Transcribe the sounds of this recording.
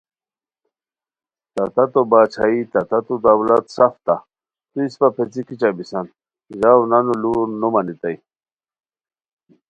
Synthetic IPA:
t̪at̪at̪obaːt͡ɕʰait̪at̪at̪ud̪awlat̪saft̪a | t̪uispapʰet͡sikit͡ɕabisant̪ | ʑawnanulunːumanit̪aj

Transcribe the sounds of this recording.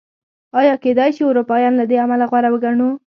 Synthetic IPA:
ɑjɑked̪ɑjʃiʊɾupɑjɑnlad̪eamalaɣwaɾawəɡaɳu

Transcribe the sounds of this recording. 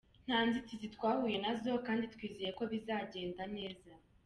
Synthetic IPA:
n̥haːnzit͡sizitwaːhuːje̞nazo̞kaːnditkwiːzeje̞ko̞βizaːɟe̞ːndane̞ːza

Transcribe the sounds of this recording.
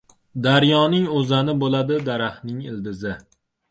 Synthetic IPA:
d̪aɾjɒnɪŋozanɪbolad̪ɪd̪aɾahnɪŋɪ̰ld̪ɪzɪ

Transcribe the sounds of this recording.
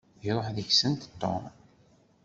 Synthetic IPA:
iɾˤoħðəçsənt̪t̪ːo̰m

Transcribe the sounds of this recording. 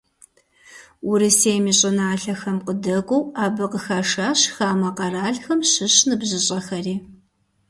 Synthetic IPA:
ʔʊɾɨseːjmiːɕʼɪnaːɬɐxɐmqədɐɡʷʼɔwaːbɨqəxaːʂaːɕxaːmɐqɐraːɮxɐmɕɨɕnɨbʑɪɕʼɐxɐriː

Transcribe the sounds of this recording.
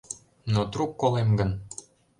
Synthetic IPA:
not̪rukːolemɡən

